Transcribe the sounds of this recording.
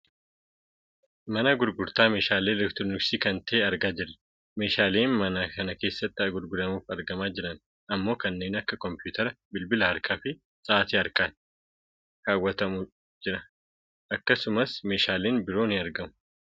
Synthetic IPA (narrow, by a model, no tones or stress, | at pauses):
mɐnɐɡʊɾɡʊɾt̪aːme̞ːʃaːle̞ːlɛkt̪ɾonɪksiːkɐnt̪ɐʔeːɐɾɡaːd͡ʒɪɾɐ̥ | me̞ːʃaːleːnmɐnaːkɐnɐke̞ːsːɐt̪ːɪɐɡʊɾɡʊɾɐmuːfɐɾɡɐmaːd͡ʒɪɾɐn | ɐmːo̞ːkɐnːe̞ːnɐkːɐkɔmpjuːt̪ʰɐɾɐbɪlbɪlɐhɐɾkʰaːfɪ | sʼaːt̪iːɐɾkaːt | ɾaːwːɐt̪ɐmʊ | d͡ʒɪɾɐ | ʔɐkːɐsʊmɐsme̞ːʃaːleːnbɪɾo̞ːnɪɐɾɡɐmʊ̥